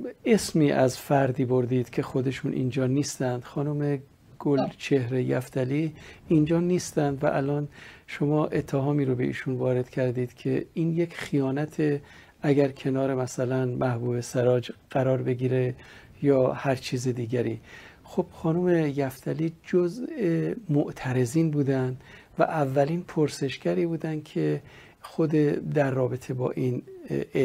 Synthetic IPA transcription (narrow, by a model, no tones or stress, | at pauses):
e̞smiːʔæzfæɾd̪iːboɾd̪iːd̪̥cʰe̞xo̞d̪e̞ʃuːnʔḭnd͡ʒɒːniːst̪ænd̪̥xɒːnume̞ | ɡ̥olt͡ʃʰe̞hɾejæ̰ft̪ʰæliːnd͡ʒɒːniːst̪ænd̪væʔælɒːnʃo̞mɒːʔe̞t̪ʰːeɦɒːmiːɾobe̞ʔḭːʃuːnvɒːɾe̞d̪̥cʰæɾd̪iːd̪̥cʰe̞iːnje̞kʰxijɒːnæt̪ʰe̞ | æɡæɾkʰe̞nɒːɾe̞mæsælænmæhbuːbe̞seɾɒːd͡ʒɢ̥æɾɒːɾbe̞ɡiːɾe̞ | jɒːhæɾt͡ʃʰiːzed̪iːɟæɾiːxob̥xɒːnumejæft̪ʰæliːd͡ʒozemoʔt̪ʰæɾe̞ziːnbuːd̪ænd̪ | væ̰ʔævːæliːnpʰoɾse̞ʃɡ̥æɾiːbuːd̪ænd̪̥̚cʰe | xod̪ed̪æɾːɒːbe̞t̪ʰe̞bɒ̰ːʔin